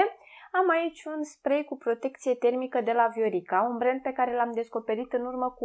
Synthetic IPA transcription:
eamait͡ʃʲunspɾejkupɾo̞t̪e̞k̚t̪sije̞t̪e̞rmikəd̪e̞lavjo̞ɾikaunbɾen̚pe̞kaɾe̞lamd̪e̞sko̞pe̞ɾit̪ɨnurməku

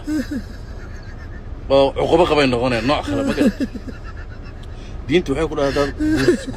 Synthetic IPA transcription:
ɔːʕʊqʊβɐqɑβɛjnɔqɔnɛjanːɔːʕkʰɐlɛmɐɡɐ | d̪iːnt̪ʰʊwʊħɑjkʰʊɖɐhad̪ad̪uk

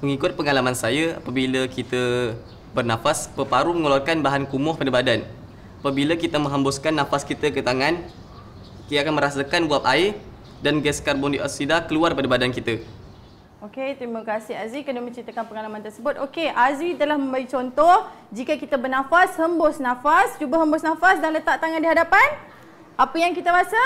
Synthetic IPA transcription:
məŋikʊt̪̚pəŋalamansajaa̰pabiləkit̪ə | bərnãfaspəpaɾuməŋolarkanbaɦankumɔhpadəbadan | apabilakit̪əmə̃ŋɦambʊskanːãfaskit̪əkət̪aŋãn | kiakanmə̃ɾasakanbuap̚aɪr | danɡɛskarbɔndiʔa̰sidakəluarpadəbadankit̪ə | oket̪ɾimakasɪɦazikədumə̃ɲt͡ʃɾit̪akanpəŋalamant̪ərsəbʊt̪̚ʔokeʔazit̪əlahmə̃mbaɡit͡ʃɔnt̪ɔhd͡ʒikakit̪abərnãfashəmbʊsnãfast͡ʃubaɦəmbʊsnãfasdanlət̪aʔt̪aŋãndiɦadapan | ʔapəjaŋkit̪aɾasa

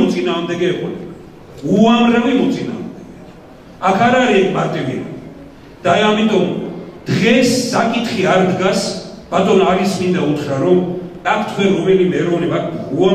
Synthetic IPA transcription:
ɔt̪sʼinaːʁmd̪ɛɡɛːqʼɔnɛ | uanɾavimɔt̪sʼina̰ːmd̪ɛɡɛ | akʰaɾaɾiɛkʰmaɾt̪ʼivḭɾa̰ | d̪̥aajamit̪ʼɔmd̪̥ʁɛsːakʼit̪χiaɾd̪ɡasb̥at̪ʼɔnaɾismind̪aut̪ʰχɾaɾɔmʼakʰt̪ʰwɛɾːɔmɛlimɛɾɔvnimakʰua

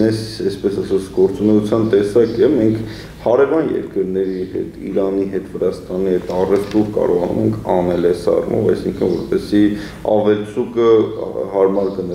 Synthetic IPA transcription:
ɛsɛspɛsɑsɑt͡sʰɡɔɾt͡sunɛut͡sʰjɑnt̪ɛsɑkɛmɛŋkʰ | hɑɾɛvɑnjɛ̰ɾkəɾnɛɾihɛ̰t̪ʰḭɾɑniɦɛt̪vəɾɑst̪ɑnihɛt̪ʰɑrɛft̪uɾkɑ̰ɾɔʁɑnṵmɛŋkʰɑnɛlɛsɑ̰rṵmʔɔ̰vɑ̰jsiŋkʰənvɔɾpɛsi | ɑ̰vɛlt͡sʰukəhɑɾmɑɾɡən

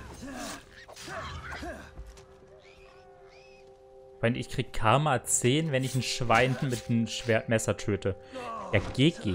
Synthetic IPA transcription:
v̥aɪnɪ̰çkʁ̥iːɡəkʰaɐmaːt͡seːnvɛnɪçn̩ʃv̥aɪndn̩mɪtːmɛsɐtʰøːtəjaɡ̥eːɡ̥eː

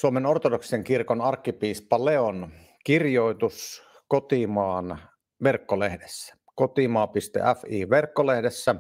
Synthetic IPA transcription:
suomenort̪odokseŋkirkonɑrkːipiːspɑleon | kirjoˑit̪us | kot̪imɑːn | ʋerkːolehdesːæ̥ | kot̪imɑːpist̪ḛʔæfiːʋerkːolehdesːæ

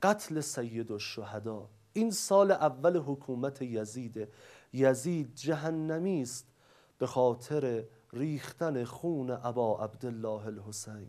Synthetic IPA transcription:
ɢ̥æt̪ʰle̞sæjːed̪oʃːohæd̪ɒː | ʔiːnsɒːleʔævːæleɦokʰuːmæt̪ʰejæziːd̪e | jæziːd̪̚d͡ʒæɦænːæmiːst̪̚ | b̥e̞xɒːt̪ʰe̞ɾe | ɾiːxt̪æne̞xuːneʔæbɒːʔæbd̪elːɒːɦelhosejn

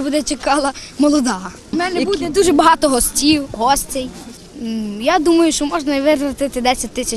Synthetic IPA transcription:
bud̪ɛt͡ʃekɑlˠɐmɔlˠɔd̪ɑɦ | mɛnɛbud̪ɛd̪uʒɛbɐɦɑt̪ɔɦɔsʲtʲiwɦɔsʲtʲɛj | jad̪umɐjʊʃt͡ʃɔmɔʒnɐiʋɪɾɾɐt̪ɪt̪ɪd̪ɛsʲɐt̚ʲt̪ɪsʲɐ

